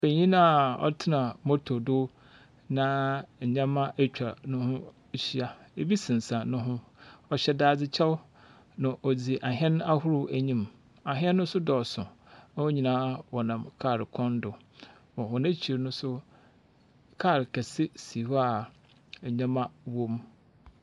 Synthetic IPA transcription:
be˨ɲĩ˦nã˦˨ɔ̰˦tʰɪ˦nã˨mɔ˦tʰo˨dʊ˦ | nã˦˨ɲã˦mã˦ʔt͡ɕᶣa˨nʊ̃˦hʊ̃˦˨ | ɕi˦a˦e˦bi˦sĩ˨n˨sã˨nʊ̃˦ɦʊ̃˦ɔ˨ɕɛ˦daː˦d͡zɪ˦t͡ɕʰɛ˦w | nã˨ʔɔ˨d͡zi˨ʔa˨ɦɛ̃˦n˦a˦hʊ˦ɾʊ˦æ˨ɲĩ˦m | a˨ɦɛ̃˦nːʊ̃˦sʊ˦dɔ˨sʊ̃˨ | nã˦wɔ˦ɲi˨nãː˦wɔ˨nã˨mkʰa˦˨ɾɪ˨kʰɔ̃˦ndʊ˨ | mɔ˨hɔ˨nã˦t͡ɕʰi˨ɾnʊ̃˦sʊ˦ | kʰa˦˨ɾkʰæ˨sɪ˦si˨wa˦a˨ | ɲã˦mã˦wõ˦m

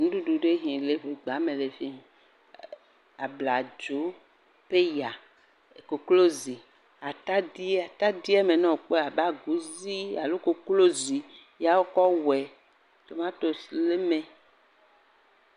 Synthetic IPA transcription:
nũ˦ɖu˦ɖu˨ɖe˦ɦĩ˨le˦ɸe˨ɡ͡ba˨˦mẽ˨le˨ɸi˦˨ | a˨bla˨d͡ʒo˨˦ | ɸe˦ja˨ | ko˨klo˦zi˨ | a˨t̪a˦di˦a˨t̪a˦di˦ɛ˦me˨nɔ̃˦˨o˨k͡pe˦a˨ba˦ɡu˨˦zi˦a˨lo˦ko˦klo˦zi˨ | ja˦wo˦kɔ˦wɛ˨ | t̪o˨mã˦t̪o˨sle˦mẽ˨

